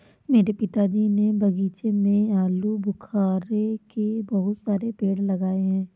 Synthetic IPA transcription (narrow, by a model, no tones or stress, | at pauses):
meːɾepɪt̪ad͡ʒiːnebɐɡiːt͡ʃemẽaːlubʊkʰaːɾekebɐɦʊt̪saːɾepeːɽlɐɡaːeɦɛ̃ː